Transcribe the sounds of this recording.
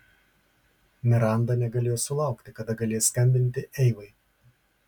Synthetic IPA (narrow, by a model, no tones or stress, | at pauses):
mʲɪɾɑˑnd̪ɐnʲɛɡɐlʲeːjosʊlˠɐˑʊkt̪ʲɪkɐd̪ɐɡɐlʲeːjsʲkɐmʲbʲɪnʲt̪ʲɪʔɛɪʋɐɪ